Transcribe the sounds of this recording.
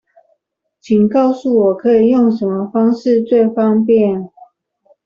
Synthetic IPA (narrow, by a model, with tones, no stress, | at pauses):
t͡ɕʰi˨ŋkɑ˥˨˧ʊsu˥˨wɔ˨˩kʰɤ˧˥i˨˩jo˥˨ŋʂə˧˦nmə˧fɑ˥ŋʂɻ̩˥˧t͡swe˥˨ɪfɑ˥ŋpjɛ˥˨n